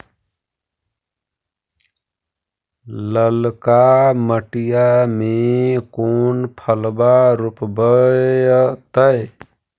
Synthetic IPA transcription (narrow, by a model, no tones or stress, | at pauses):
ləlkaməʈijamekonpʰəlbaɾupbəjt̪əj